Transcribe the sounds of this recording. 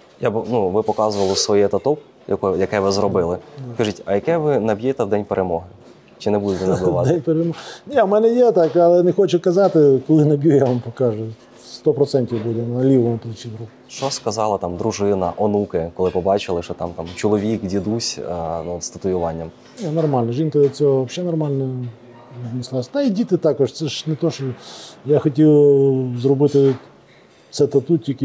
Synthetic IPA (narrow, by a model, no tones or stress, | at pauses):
jabnuʋɪpɔkɑzʊʋɐlˠɔsʋɔjɛt̪ɐt̪ɔk | jɐkɔjjɐkɛʋɪzɾɔbɪlˠɪkɐʒitʲɐjɐkɛʋɪnɐbʲjɛt̪ɛwd̪ɛnʲpeɾʔemɔɦɪ | t͡ʃɪnɛbud̪ɪɛnb̪ɪʋɑt̪d̪ɛnʲpeɾemɔnʲiɐmɛnɛjɛt̪ɑkɐlˠɛnɛxɔt͡ʃʊkɐzɑt̪ɪkɔlˠɪnɐbʲjujaʋampɔkɑʒʊ | st̪ɔpɾɔt̪sɛnʲtʲiwbud̪ɛnɐlʲiʋɔmʊplˠʊt͡ʃʲinɾup | ʃt͡ʃɔskɐzɑlˠɐt̪ɑmd̪ɾʊʒɪnɐʔɔnukɪkɔlˠɪpɔbɑt͡ʃɪlˠɪʃɔt̪ɑmt̪ɑmt͡ʃɔlˠɔʋʲikdʲid̪usʲnuɔt̪st̪ɐt̪ʊjʊʋɑnʲːɐm | nʲɛnɔrmɑlʲnɐʒinkɐd̪ɐt͡sʲɔɦɔʋɐpʃʲɛnɔrmɑlʲnɔ | znʲɪslˠɑsʲd̪aidʲit̪ɪt̪ɑkɔʂt̪sɛʂnet̪ɔʃɔjaxɔtʲiwzrɔbɪt̪ɪ | t̪sɛt̪ɐt̪ut̪ʲikʲ